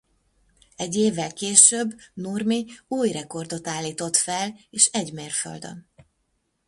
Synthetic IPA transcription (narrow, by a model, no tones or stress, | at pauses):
ɛɟːeːvːɛlkeːʃøbːnurmiuːjrɛko̞rd̪o̞t̪aːlːiːt̪o̞t̪fɛleːʃɛɟmeːrfø̰ld̪ø̰n